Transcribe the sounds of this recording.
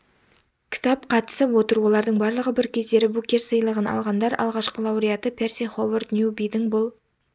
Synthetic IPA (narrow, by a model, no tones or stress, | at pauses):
kʲʰɪ̥t̪ɑp̚qʰɑt̪ə̥səpwo̞t̪əɾwo̞lˠɑɾd̪əɴbɑɾlˠəʁəbɪɾkʲʰe̞zd̪e̞ɾɪbukʲe̞rsəjəlˠəʁənɑ̰lˠʁɑnd̪ɑɾʔɑ̰lˠʁɑʃqəlˠɑwɾijat̪əpʲʰersiχovərt̪nʲjubijd̪ɪŋbʊlˠ